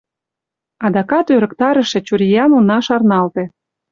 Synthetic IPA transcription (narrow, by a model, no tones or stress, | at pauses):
ɑd̪ɑkɑt̪øɾə̆kt̪ɑɾə̆ʃĕt͡ɕuɾʲijɑnonɑʃɑrnɑlt̪ĕ